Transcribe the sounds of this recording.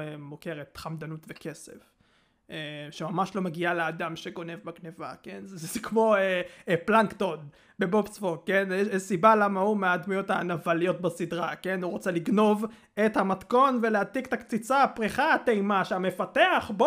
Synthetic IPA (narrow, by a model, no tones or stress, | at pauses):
emoke̞ʁet̪χamd̪anutveke̞sḛf | eʃemamaʃlo̞meɡialead̪amʃe̞ɡo̞ne̞vbakneva̰ke̞nzzzekmo̞eplaŋkt̪od̪ | be̞bopsfokenɛɛʃsibalamaumeaːd̪mujo̞thanavalijo̞tbasidʁake̞nuʁot͡seliɡno̞v | e̞t̪hamat̪ko̞nve̞leat̪ikt̪akt͡sit͡saːpʁiχaːtejmaʃeame̞fate̞aχbo